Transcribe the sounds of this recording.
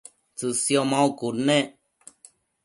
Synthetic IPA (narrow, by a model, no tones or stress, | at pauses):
t͡sɨsjomãukuɾnẽ